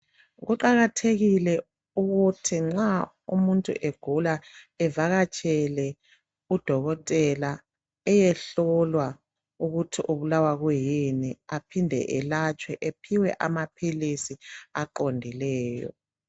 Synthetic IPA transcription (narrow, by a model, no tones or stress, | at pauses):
ɣuǃaɣatʰeɣilɛ | uɣutʰiŋ͡ǁa | ṵmuntʼṵʔeɡ̥ʱula | ɛvaɣat͡ʃʼɛlɛ | ud̥ʱɔɣɔtʼɛla | ɛjɛɬɔlwa | uɣutʰiʔuβulawaɣujiniapʰindʱɛ̰ʔɛlat͡ʃʼwɛʔepʰiwɛʔamapʰilisiaǃondʱilɛːjɔ̰